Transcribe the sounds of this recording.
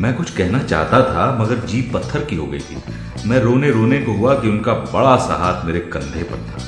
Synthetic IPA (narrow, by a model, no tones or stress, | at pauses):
mɛ̃ːkʊt͡ʃʰkɛɦnat͡ʃa̰ːɦt̪at̪ʰamɐɡəɾd͡ʒiːʋpɐt̪ʰːəɾkiɦo̰ːɡɐḭt̪ʰḭː | mɛ̃ːɾoːneɾoːnekoɦuakiʊnkabɐɭasa̰ɦaːt̪ʰmeːɾekɐ̃nd̪ʱepɐ̰ɽt̪ʰa̰ː